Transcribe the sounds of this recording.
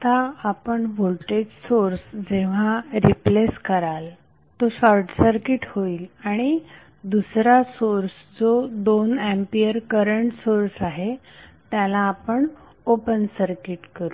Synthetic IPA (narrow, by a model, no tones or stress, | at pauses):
t̪aːpəɳʋolʈed͡ʑsoɾsd͡zeʋ̤aɾipleskəɾal | t̪oɕɔɾʈsəɾkiʈhoiːlaɽ̃i | d̪usɾasoɾs | d͡zod̪onæmpijəɾkəɾəɳʈsoɾsaɦe | t̪jalaːpəɳ | opənsəɾkiʈkəɾu